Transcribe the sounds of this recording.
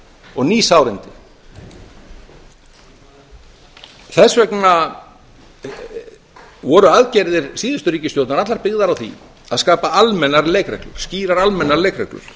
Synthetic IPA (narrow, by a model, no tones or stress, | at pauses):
ɔɣniːsawɾɪnt̪ɪ | θɛsvɛkna | vɔɾʏaðcɛjɾðɪɾ̥siːðʏst̪ʏɾriːcɪst̪jowt̪naɾat̪laɾpɪɣðaɾawθḭ | aðskaːpaalmɛnːaɾleːjkɾɛklʏ̰ɾ̥sciːɾaɾalmɛnːaɾlejkrɛklʏ̰ɾ̥